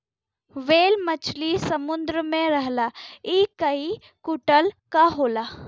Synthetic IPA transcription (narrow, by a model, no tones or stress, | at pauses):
ʋeːlmət͡ʃʰlisəmund̪ɾəmẽɾəɦlaiːkəi | kuʈəlkaɦoːlaː